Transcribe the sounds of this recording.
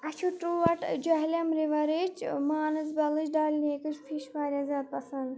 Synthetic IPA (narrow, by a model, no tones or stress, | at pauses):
ɐt͡ʃʰuʈuːʋɐʈd͡ʒɐɦlʲɐmɾiʋɐɾet͡ʃmaːnɨzbɐlɨt͡ʃɖaːlʲneːkɨt͡ʃpʰiʃʋaːɾʲazʲaːd̪̚pɐsɐnd̪